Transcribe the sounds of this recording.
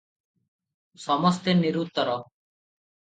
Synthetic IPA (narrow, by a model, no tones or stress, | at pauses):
sɔməst̪eniɾuːt̪ːəɾɔː